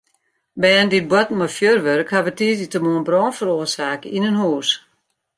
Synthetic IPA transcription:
bɛndit̚bwɔtmɔfjørʋørkhaʋətiəzitəmoənbrɔːnfəɾoərsaːkəʔinənhuːs

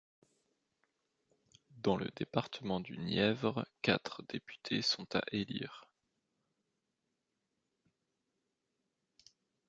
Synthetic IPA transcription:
d̪ɑ̃lə̰d̪epaʁt̪ʰəmɑ̃d̪ynjɛvʁkat̪χd̪epy̥t̪ʰesɔ̃t̪a̰ʔelḭːʁ

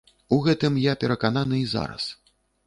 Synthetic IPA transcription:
uɣɛt̪ɨmjapʲɛɾɐkananɨiza̰ɾɐ̰s

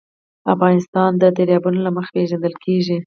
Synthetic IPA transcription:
afɣɑnɪst̪ɑnd̪əd̪aɾjɑbunolaməxḁpeʒand̪əlkʰeʒi

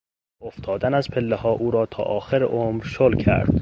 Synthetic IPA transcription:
oft̪ʰɒːd̪ænæzpʰelːehɒːʔuːɾɒːt̪ʰɒ̰ːʔɒːxeɾḛʔomɾʃolkʰæ̰ɾd̪̥

